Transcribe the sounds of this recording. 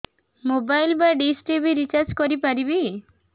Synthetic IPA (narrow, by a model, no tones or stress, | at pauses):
mobajlbaɖisʈɾibiɾit͡ʃaɾd͡ʒkɔɾipaɾibi